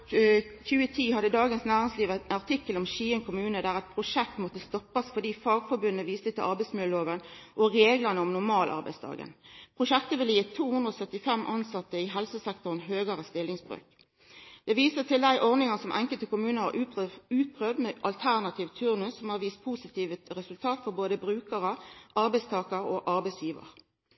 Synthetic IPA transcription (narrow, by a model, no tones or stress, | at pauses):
çʉːət̪ʰiːhɑd̪əd̪ɑːɡənsnæːʁɪŋsliːʋɑʁt̪ʰɪkːəlɔmʃiːənkʰʊmʉːnəd̪æʁɛt̪̚pʰʁʊʂɛk̚t̪mɔt̪ːəst̪ɔpːɑsfɔd̪iːfɑːɡfɔbʉnːəʋiːst̪ət̪ʰɪlʔɑʁbæɪsmʉləloːʋənʔɔʁeːɡlɑnəɔmnʊmɑːlʔɑ̰ʁbæ̰ɪst̪ʰɑ̰ːɡə̰npʰʁʊʃɛkt̪əʋɪləjt̪ʰuːhʉnd̪ʁəɔsœt̪ːɪfɛmʔɑnsɑt̪ːəɪɦɛlsəsɛkt̪ʊʁnɦøːɡɑʁəst̪ɪlɪŋsbʁø̰ːk | d̪̥ɛʋiːsət̪ʰɪld̪æɪʔɔʁnɪŋɑsɔmʔɛŋkəlt̪əkʊmʉːnəhɑ̰ʉːt̪̚pʰʁøːʋd̪mɛʔɑlt̪ʰæʁnɑt̪ʰiːʋt̪ʰʉʁnʉsɔmhɑʁʋiːst̪̚pʰusɪt̪ʰiːʋət̪ʁɛsʉlt̪ʰɑːt̪fɔɾboːd̪əbʁʉːkəʁəʔɑɾbæɪst̪ʰɑːkəɾɔʔɑɾbɛɪsjiːʋə̰ʁ